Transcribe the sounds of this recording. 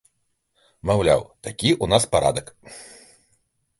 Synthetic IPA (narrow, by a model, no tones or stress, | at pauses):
mawlʲa̰wt̪akʲiʔunaspaɾa̰d̪ɐk